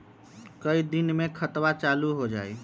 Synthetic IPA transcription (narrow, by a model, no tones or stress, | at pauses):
kəid̪inmẽkʰət̪wat͡ʃaluɦod͡ʒa̰ːj